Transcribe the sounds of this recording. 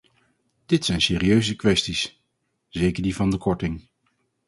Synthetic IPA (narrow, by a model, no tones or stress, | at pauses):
d̥ɪtsɛjnsɪːɾiøɥzəkʋɛstis | zejkəɹdivɑndəkɔɹtɪŋ